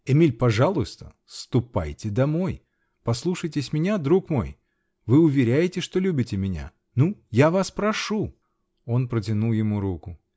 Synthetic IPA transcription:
ɪmʲilʲpɐʐalˠʊst̪ə | st̪ʊpa̰jtʲɪd̪ɐmo̞j | pɐslˠuʂəjtʲɪsʲmʲɪnʲad̪ɾukmo̞̰j | vɨʊvʲɪɾʲæjɪtʲɪʂt̪o̞lʲʉbʲɪtʲɪmʲɪnʲa̰ | nujavaspɾɐʂu | o̞npɾət̬ʲɪnulˠjɪmuɾukʊ

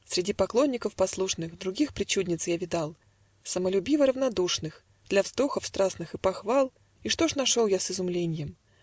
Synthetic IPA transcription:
sʲɾʲɪdʲipɐklˠo̞nʲːɪkəfpɐslˠuʂnɨxd̪ɾʊɡʲixpɾʲɪt͡ɕudʲnʲɪt̪sjavʲɪd̪ɑlˠ | səməlʲʉbʲivəɾəvnɐd̪uʂnɨx | d̪̥lʲɐvzd̪o̞xəfst̪ɾasnɨxɨpɐxvɑlˠ | iʂt̪o̞ʂnɐʂolˠjasɨzʊmlʲenʲɪjəm

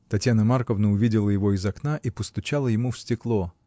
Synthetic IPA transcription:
t̪ɐtʲjanəmarkəvnəʊvʲidʲɪlˠəjɪvo̞ɪzɐknaʔipəst̪ʊt͡ɕalˠəjɪmufsʲtʲɪklˠo

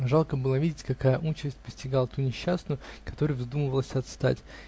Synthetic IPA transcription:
ʐɑlˠkəbɨlˠəvʲidʲɪtʲkɐkajəʔut͡ɕɪsʲt̚ʲpəsʲtʲɪɡalˠət̪unʲɪɕːasnʊjʊkɐ̥t̪o̞ɾɨjvzd̪uməvəlˠəsʲɐt̪st̪a̰tʲ

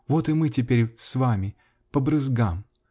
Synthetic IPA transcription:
vot̪ɨmɨtʲɪpʲeɾʲsvamʲɪ | pəbɾɨzɡam

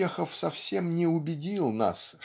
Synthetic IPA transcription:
exəfsɐfsʲe̞mnʲɪʊbʲɪdʲilˠna̰s

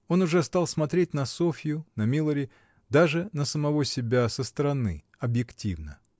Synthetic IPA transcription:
o̞nʊʐɛst̪ɑlˠsmɐt̪ɾʲet̚ʲnɐsofʲɪjʊnɐmʲilˠəɾʲɪ | d̪aʐɨnəsəmɐvo̞sʲɪbʲasəst̪əɾɐnɨ̰ | ɐbjɪktʲivnə

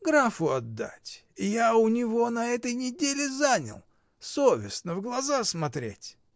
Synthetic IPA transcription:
ɡɾafʊɐd̪ːa̰tʲ | ɪjaʊnʲɪvo̞nɐɛt̪əjnʲɪdʲelʲɪzanʲə̰lˠ | sovʲɪsnəvɡlˠɐzasmɐt̪ɾʲḛtʲ

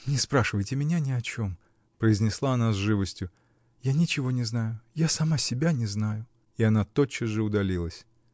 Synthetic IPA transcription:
nʲɪspɾaʂɨvəjtʲɪmʲɪnʲanʲɪɐt͡ɕo̞m | pɾəɪzʲnʲɪslˠaɐnazʐɨvəsʲtʲjʊ | janʲɪt͡ɕɪvo̞nʲɪznajʊjasɐmasʲɪbʲanʲɪznajʊ | ɪɐnat̪o̞t͡ɕːɪsʐɨʊd̪ɐlʲilˠəsʲ

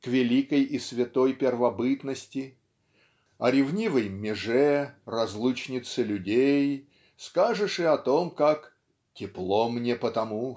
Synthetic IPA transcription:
kvʲɪlʲikəjisvʲɪt̪ojpʲɪrvɐbɨt̪nəsʲtʲɪ | ɐ̰ɾʲɪvnʲivəjmʲɪʐɛrɐzlˠut͡ɕnʲɪt̪sɨlʲʉdʲej | skaʐɨʂɪɐt̪omkak | tʲɪplˠomnʲepət̪ɐmu

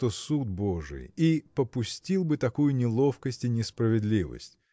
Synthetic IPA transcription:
t̪osud̪̚bo̞ʐɨ̰jipəpʊsʲtʲilˠbɨt̪ɐkujʊnʲɪlˠo̞fkəsʲtʲɪnʲɪspɾəvʲɪd̪lʲivə̰sʲtʲ

